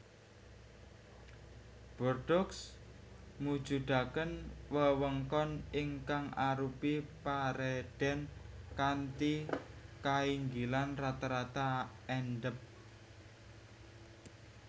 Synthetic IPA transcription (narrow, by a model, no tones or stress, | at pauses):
b̥ɔrd̥ɔks | mud̥ʒ̥ud̪̥a̤kənwəwəŋkɔniŋkaŋaɾupipaɾɛɖ̪̥ɛnkant̪ikaiŋɡilanrat̪aɾat̪aɛnɖəp̚